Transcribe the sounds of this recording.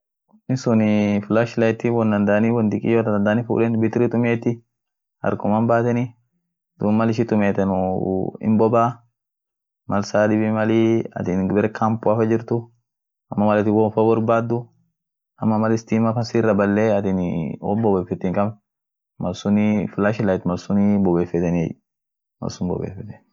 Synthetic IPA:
nɪsʊnɪflaʃlɐjt̪ːiwɔnd̪ɐnd̪ɐʔɐniwɐnd̪ɪkʼɪ̰joːt̪d̪ɐnd̪aːnifṵːlɛnbɪt̪ɾit̪ʼʊmeːt̪ːɪ | hɐ̰ɾkʊmanbaːt̪ɛni | d̪̥uːmmːɐlɪʃ̬ɪt̪ʊmeːt̪ɛnʊɪ̰mbɔbaː | mɐlsaːᶑɪbimɐliɐ̰t̪inbɛɾɛkʰampʊafɐd͡ʒɪɾt̪ʊ | ɐmːɐmɐlɛt̪ːɪwɔfɐbɐɾbaːd̪ːʊ | ɐmːɐmɐlɪst̪iːmɐfɐnsirːɐbɐlːeːɐt̪inwo̰mbɔbeːfːɛt̪ːiːŋkʼɐb | mɐlsʊnɪfɪlaːʃɪlajt̪mɐlsʊnɪbɔbeːfɛt̪ɛniɛ̰j | mɐ̰lsʊnbɔ̰bḛːfɛt̪ɛ̥

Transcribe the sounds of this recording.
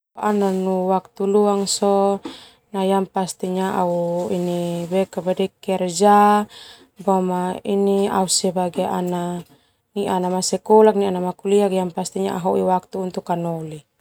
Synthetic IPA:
ʔananuwak̚t̪uluaŋsɔ | najampast̪iɲaʔauinibɛkabadɛkɛrd͡ʒa | bamainiausɛbaɡeʔana | niʔanamasɛkɔlak̚nianamakuliakijampast̪iɲa̰ʔaɦoʔiwak̚t̪uːnt̪ukanoli

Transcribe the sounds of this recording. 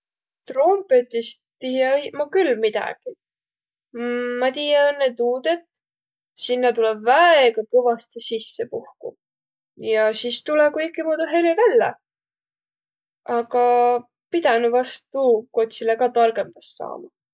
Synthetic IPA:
t̪ro̞mpe̞t̪is | t̪ijeimɑkylmid̪̥ɑ̰ɡ̥i | ɑt̪ijɑonːet̪uːd̪et̪ | sinːɑt̪ulɛbvæeɡ̥ɑkɤvɑst̪isisːepuhkṵ | jɑsist̪ulɛkujkːimoːd̪uɦe̞livælːḛ | ɑɡ̥ɑ | pid̪̥ænuvɑst̪uko̞t̪ʲsileɡɑt̪ɑrɡ̥e̞mbɑssɑ̰ːmɑ

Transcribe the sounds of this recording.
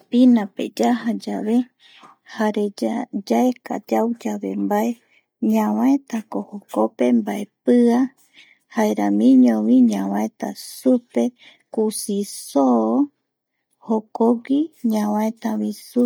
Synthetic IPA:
pinãpḛd͡ʒaɦad͡ʒaβe | haɾed͡ʒaeka̰d͡ʒawd͡ʒaβe̞mbae̞ | ɲãwãet̪akohokope̞mbaepɨa | haeɾamĩɲõβĩɲãwãẽt̪a̰supe̞ | kusisoː | hokoɡiɲãwãẽt̪aβĩsu

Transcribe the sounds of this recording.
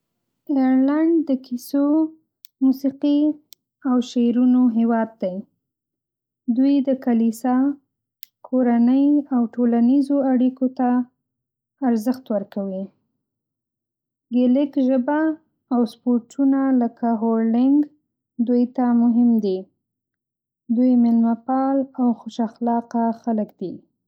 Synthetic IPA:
ejɾlaɳɖd̪əkiso | musiqi | awʃeɾunoɦewɑd̪̚ːaj | d̪ujd̪əkalisɑ | kʰoɾanəjawʈolanizoaɽikot̪a | ɾzəxt̪wəɾkawi | ɡɪlɪkʒəbaː | wspoɾʈʰunaləkʰaɦoɾɖɪŋɡ | d̪ujt̪amʊɦɪmd̪i | d̪ujmɪlmapɑlawxʊʃaxlɑqaxaləkd̪i

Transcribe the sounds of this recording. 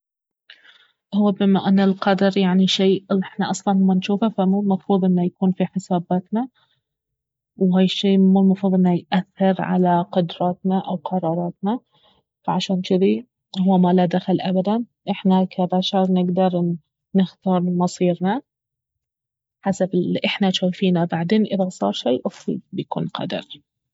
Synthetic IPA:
hʊwːabɪmːaʔanːalqɑd̪ɑɾˤjaʕniʃiːʔɪħnaʔɑsˤlɑnmːanʃuːfafamuːlmɑfɾuːðˤʔɪnːajakuːnfiħɪsaːbaːt̪na | wɦaːjɪʃːiːmuːlmɑfɾuːðˤʔɪnːajʔaθːɪɾʕa̰laqʊd̪ɾˤɑːt̪naʔawqʰɑɾˤɑːɾˤɑːt̪na | faʕaʃaːnt͡ʃɪði | huwːmalad̪axalʔabad̪an | ʔɪħnakʰabaʃɑɾˤnɪɡd̪ɑɾˤ | nɪxt̪ɑːɾˤmɑsˤiːɾna | ħasabɪlʔɪħnaʃaːfiːnabaʕd̪eːnʔɪðasˤɑ̰ːɾˤʃeːʔʊfɾḭd̪̚bjkṵːnqʰɑ̰d̪ɑ̰ɾ

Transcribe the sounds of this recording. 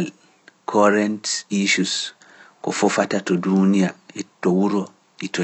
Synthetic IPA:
l | kʰɔɾɛntiʃus | kɔfɔfatatɔdunijaɛtːɔwuɾɔ | itɔ

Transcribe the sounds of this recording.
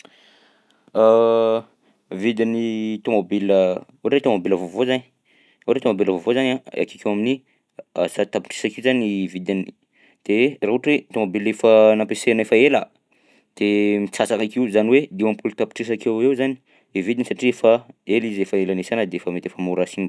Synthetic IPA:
a | vid̪init̪omobilə | uʈ͡ʂet̪omobiləvovozani | oʈ͡ʂet̪omobilavovozanaa̰ki̥kewamini | asat̪api̥ʈ͡ʂi̥sakiuzanivid̪an | d̪̥eraɦuʈ͡ʂet̪omobilefənampesenefaelə | d̪̥emit͡sasakakiwzaniwed̪iwampult̪api̥ʈ͡ʂis̬akewewzani̥ | ivid̪inisaʈ͡ʂiefaelizefaelanesanəd̪eefamet̪efamuɾasin

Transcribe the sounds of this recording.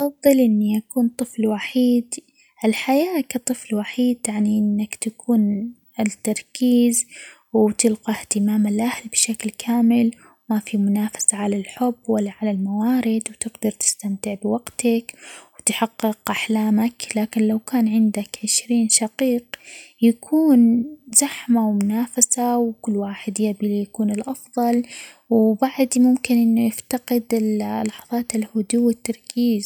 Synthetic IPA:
fɑðˤːɨlʔɪnːijakuːnt̪ˤɨflwaħiːd̪ | ʔɪlħajaːkat̪ˤɨflwaħiːd̪̚jaʕniʔɪnːakt̪akʰuːn | ɪt̪ːɑɾˤkiːz | wt̪ɪlqɑht̪ɪmaːmɪlʔahlbɪʃaklkʰaːmɪl | wmafimʊnaːfḁsaʕalalħʊbːwalːaʕalalmawaːɾɪd̪wt̪ɪɡd̪ɑɾˤt̪ɪ̥st̪amt̪ɪʕbɪwaɡt̪akwt̪ħɑqːɪqʔaħlaːmaklaːkɪnlawkaːnʕɪnd̪akʕɪʃɾiːnʃɑqiːqjakʰuːnz̥aħmawmʊnaːfasawkʊlːwaːħɪd̪jabilijakuːnɪlʔɑfðˤɑl | wbaʕd̪mʊmkɪnʔɪnːujɪft̪aqɪd̪ɪllɑħɑðˤɑːt̪ɪlhʊd̪uwːɪt̪ːɑɾˤkʰiːz

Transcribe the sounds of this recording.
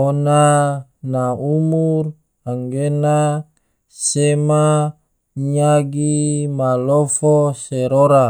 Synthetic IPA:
onanaumur | aŋɡena | sema | ɲaɡimalofoseɾoɾa

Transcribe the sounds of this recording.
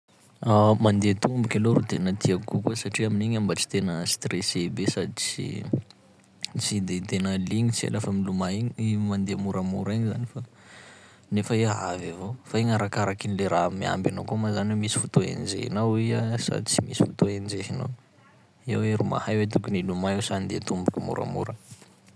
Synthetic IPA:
amand̪et̪umbukʲaloɾut̪enət̪ʰiakkukusaʈ͡ʂiaminiɲambət͡si̥t̪enəst̪resebesad̪it͡sḭ | t͡sid̪et̪enəliɲit͡sḛlafəmilumaiɲimand̪emuɾamṵɾiɲzanifa | nefəiaɦavavofaiɲaɾakaɾakinileɾamːia̰mbanokumazanwemisi̥fut̪oḛnd͡ʒḛhḭnawiasa̰d̪it͡simisi̥fut̪oend͡ʒeɦina̰w | ḛweɾuma̰hajwet̪̬ukunilumaewsand̪et̪umbukʲumṵɾa̰mṵɾə

